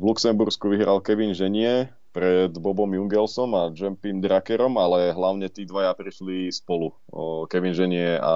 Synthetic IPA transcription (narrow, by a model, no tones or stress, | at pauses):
ʋluksɛmbuɾskuʋiɦɾalkɛʋinʒɛɲɪɛ | pɾɛd̪bɔbɔmjuŋɡɛlsɔmad͡ʒɛmpimd̪ɾakɛɾɔmalɛɦlaʊɲɛt̪iːd̪ʋajapɾiʃlispɔlu | kɛʋinʒɛɲɪɛa̰